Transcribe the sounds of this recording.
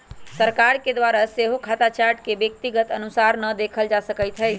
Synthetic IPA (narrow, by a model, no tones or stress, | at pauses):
səɾkaɾked̪ʋaɾaseɦokʰat̪at͡ʃaɾʈkebjək̚t̪iɡət̪ənusaɾnəd̪ekʰəld͡ʒasəkəɪt̪ʰɦəj